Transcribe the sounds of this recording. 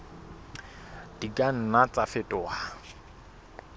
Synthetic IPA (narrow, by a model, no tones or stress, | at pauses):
d̥ikʼan̩nat͡sʼafɪtʼɔwa